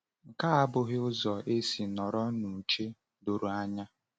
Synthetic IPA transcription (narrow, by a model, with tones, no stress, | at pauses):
ŋ̩˨ka˦a˦bʊ˦ɣɪ˦ʊ˦zɔ˨e˦si˨nɔ˨ɾɔ˦nu˨t͡ʃe˦ | do˨ɾu˨a˦ɲa˦